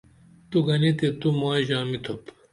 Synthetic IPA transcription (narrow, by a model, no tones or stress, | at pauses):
t̪uɡɐnit̪et̪umaːjʑaːmit̪ʰop